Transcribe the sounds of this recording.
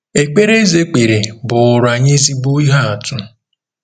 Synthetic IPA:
e˨k͡pe˦ɾe˦ze˦k͡pe˨ɾe˨bʊ˨ɾa˨ɲɪ˦zi˦bu˦i˦ɦa˦a˨tʊ˦

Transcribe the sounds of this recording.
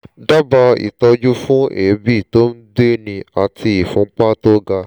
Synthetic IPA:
da˦ba˧ḭ˨tɔ˧d͡ʒu˦fũ˦e˨˦bi˦˨to˦n̩˦de˦nĩ˧a˨ti˧i˨fũ˨˦ŋ͡m̩˦k͡pa˦to˦ɡa˧

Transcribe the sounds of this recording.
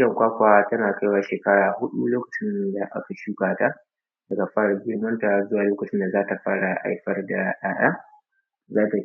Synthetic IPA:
jɐ˨ŋkʷaː˦kʷa˨a˦tɐ˦naː˨ka˦jwaː˦ʃeː˨kɐ˦ɽaː˨hʊ˦ɗu˦loː˦kɐ̥˨t͡ʃɪ˦nda˨ʔa̰˦ka˨ʃuː˦kaː˨ta˦ | dɐ˨ɡa˨ɸaː˦ɽa˨ɡʲɪ˦ɽmɐ˦nta˨zʊ˦waː˨loː˦kɐ˨t͡ʃɪ˦nda˨zaː˦ta˨ɸaː˦ɽa˨ʔa̰˦jɸɐ˦rda˨ɗaː˦ɗaː˦ | zaː˦ta˨

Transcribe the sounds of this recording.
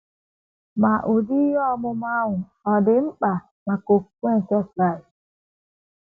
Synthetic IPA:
ma˨ʔo˨di˦jɔ˦mʊ˦ma˦ŋʷʊ˨ | ɔ˨dɪ˨ŋ͡m̩˦k͡pa˨ | ma˨ko˨˦kʷe˦n̩˨t͡ʃa˦sɾa˦˨

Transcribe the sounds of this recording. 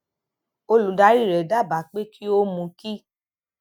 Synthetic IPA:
o˧lu˨˦da˨˦ɾi˦˨ɾɛ˨da˦˨ba˨k͡pe˦ki˦o˦mũ˧ki˦

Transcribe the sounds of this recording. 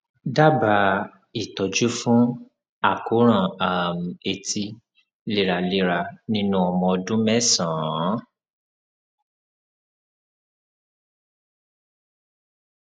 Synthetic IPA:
da˦˨ba˨˧˦ | i˨tɔ˨d͡ʒu˦fũ˦ | a˦˨ko˨˦ɾ̃ã˦˨a˨m̩˨e˨tʰi˧ | le˦˨ɾa˧le˦ɾa˧nĩ˧˦nũ˦ɔ˧mɔ̃˧ɔ˧dũ˦mɛ˦sã˨˦

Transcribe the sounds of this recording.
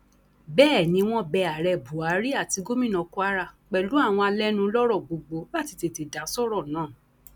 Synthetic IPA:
bɛː˦˨nĩ˧˦w̃ɔ̃˦bɛ˧˨a˨ɾɛ˧˨bu˨a˨˦ɾi˦a˦˨ti˧˦ɡo˦mĩ˦˨nɔ̃˨˧ku˦a˦ɾa˧˨k͡pɛ˨lu˨˦a˦˨w̃ɔ̃˧a˧lɛ˦nũ˧˦lɔ˦ɾɔ˦˨ɡ͡bo˨ɡ͡bo˧˦ba˦˨ti˨˧te˧˨te˨da˨˦sɔ˦ɾɔ˦˨nãː˦˨

